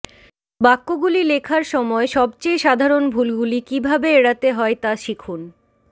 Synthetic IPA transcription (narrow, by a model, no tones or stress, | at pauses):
bakːoɡulilekʰaɾʃɔmɔeʃɔbt͡ɕejʃad̪ʱaɾonbʱulɡulikibʱabeeɽat̪eɦɔet̪aʃikʰun